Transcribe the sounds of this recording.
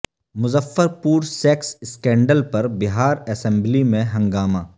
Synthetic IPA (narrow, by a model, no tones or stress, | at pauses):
mʊzəfːəɾpuːɾsɛːksɪskẽːɳɖəlpɐɾbɪɦaːɾɐsɛ̃mblimẽɦɐ̃ŋɡaːmãː